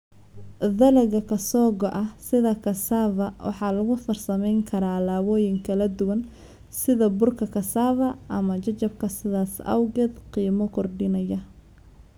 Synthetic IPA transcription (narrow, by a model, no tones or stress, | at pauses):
ðɐlɐɣɐkʰɐsɔːɡɔʔɐhsɪðɐkʰɐsaːvɐwʔɑ̰ħɑːlɐɣʊfɐrsɐmɛjŋkʰɐɾaːlaːwɔːjɪŋkʰɐlɐd̪ʊwɐn | sɪðɐbʊrkʰɐkʰɐsaːvɐʔɐmɐt͡ʃɐt͡ʃɐb̚kʰɐsɪðaːsɐ̰wɡɛd̪qiːmɔkʰɔrɖɪnɐjɐ